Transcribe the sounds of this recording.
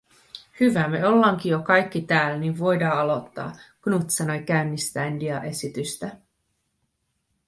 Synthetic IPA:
hyʋæmeo̞lːɑŋkijokɑjk̟ːit̪æːlniʋʋo̞jdɑːɑlo̞t̪ːɑ̰ːɡ̥nut̪sɑno̞jk̟æynːist̪ændiɑʔe̞sit̪yst̪æ

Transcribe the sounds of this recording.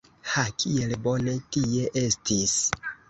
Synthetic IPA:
hakʰie̞lbo̞ne̞tie̞ʔe̞stis

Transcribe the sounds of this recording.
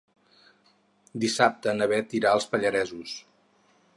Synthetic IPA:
d̪isap̚t̪ənəβɛt̪iɾaəlˠspəʎəɾɛzus

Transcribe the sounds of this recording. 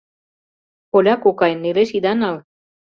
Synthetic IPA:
olakukaenːeɾesid̪anal

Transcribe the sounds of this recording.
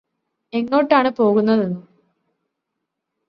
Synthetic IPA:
e̞ŋːo̞ːʈːaːɳɨpo̞ːɣunːɐðenːu

